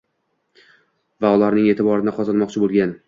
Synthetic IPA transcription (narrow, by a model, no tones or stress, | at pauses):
vaʊlaɾnɪŋe̞t̪ʰɪbɒɾɪnɪqʰɒzɒnmɒqt͡ʃʰɪbolˠɡʲan